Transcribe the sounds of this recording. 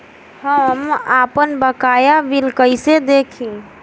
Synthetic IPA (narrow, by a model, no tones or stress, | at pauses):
həmapənbəkajaʋilkəjsed̪ekʰĩ